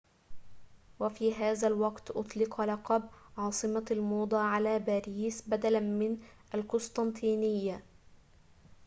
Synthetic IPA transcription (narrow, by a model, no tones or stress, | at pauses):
wafiːɦaːðalwɑqt̪ʔʊt̪ˤlɪqɑlɑqɑbʕɑːsˤɨmalmuːd̪ˤɑːʕalaːbaːɾiːsbad̪alamɪnʔalkʊst̪ˤɑnt̪ʰiːnɪjːa